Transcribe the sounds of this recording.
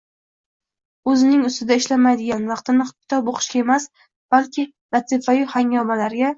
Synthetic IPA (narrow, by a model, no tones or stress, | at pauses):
ɵzɪnɪŋʊst̪ɪd̪aɪʃlamajd̪ɪɡʲanvɑqt̪ɪnɪχʊkʰʲɪ̥t̪ʰɒpoqʰɨ̥ʃkʲae̞mas | b̥alkʲʰɪ | lat̪ʰɪfajɪhaŋɒmalaɾɡʲa